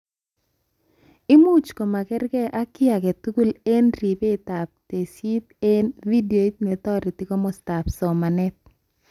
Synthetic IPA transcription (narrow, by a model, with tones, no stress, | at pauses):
ɪ˦mu˦t͡ʃko˨ma˨kɛ˦ɾkɛ˦ʔa˦kɪ˦a˨kɛ˨tu˦ɡu˦le˦nɾi˨pe˦ta˨p̚te˨si˦t̪e˦nvi˦do˨i˦tne˨t̪ɔ˦ɾi˨tɪ˨kɔ˦mɔ˨sta˨psɔ˨ma˨nɛ˦t̪̚